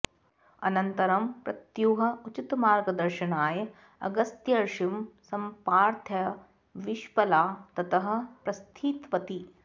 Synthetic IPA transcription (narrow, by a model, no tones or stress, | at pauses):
ɐ̰nɐnt̪ɐɾɐmpɾɐt̪juːɦɐ̆ut͡ʃit̪maːɾɡɐd̪ɐɾʃɐnaːjɐ | ɐ̰ɡɐst̪jɐɾʃimsɐmpaːɾt̪ʰjɐ | ʋiʃpɐlaːt̪ɐt̪ɐɦɐ̆pɾɐst̪ʰiːt̪ʋɐt̪i